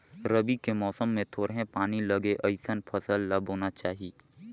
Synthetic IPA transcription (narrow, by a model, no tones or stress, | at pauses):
ɾəbikemɔːsəmːẽt̪ʰoːɾɦẽpaːnilɐɡeʔɐɪsənpʰɐsəlːabʱɦoːnat͡ʃaːɦiː